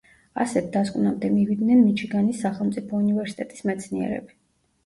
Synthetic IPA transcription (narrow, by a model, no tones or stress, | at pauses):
a̰sɛd̪askʼwnamd̪ɛmivid̪nɛnmit͡ʃʰiɡanisːaχɛlˠmt̪sʼipʰɔunivɛɾsi̥t̪ʼɛt̪ʼi̥smɛt̪sʰniɛ̰ɾɛ̰bi